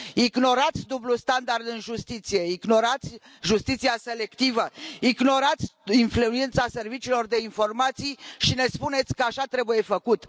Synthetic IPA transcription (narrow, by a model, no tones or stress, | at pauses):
iɡno̞ɾat̪sʲd̪ublust̪and̪ard̪ɨnʒust̪it̪sije̞iɡno̞ɾat̪sʲ | ʒust̪it̪siase̞le̞kt̪ivəiɡno̞ɾat̪sʲinfluent̪sase̞rvit͡ʃiːlo̞rd̪e̞info̞rmat̪sijʃine̞spune̞t̪sʲkəaʃat̪ɾe̞buje̞fəkut̪